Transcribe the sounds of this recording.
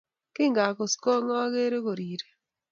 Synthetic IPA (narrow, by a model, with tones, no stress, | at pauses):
kɪ˦ŋɡa˨ko˨sko˦ŋɔ˦ɣe˦ɾe˦ko˨ɾi˨ɾe˨